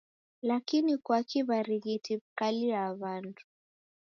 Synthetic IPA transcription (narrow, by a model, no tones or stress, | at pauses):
lakinikwakiβaɾiɣitʰibkaliaβandu̥